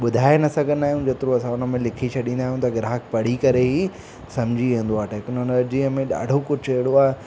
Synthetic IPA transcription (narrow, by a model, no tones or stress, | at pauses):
ɓʊd̪ʱaːenɐsɐɡʱə̃nd̪aːɦiũd͡ʑeːt̪ɪɾõɐsãʊnə̆mẽlɪkʰisʰɐɗĩːnd̪aːɦijũt̪ɐɡɪɾaːɦkpɐɽ̤ikɐɾeɦi | sɐmd͡ʑʱiẽnd̪oaːʈeːkʊnənd͡ʑiːəmẽɗa̰ːɖʱokʊd͡ʑʰʱeɦɽoaːɦe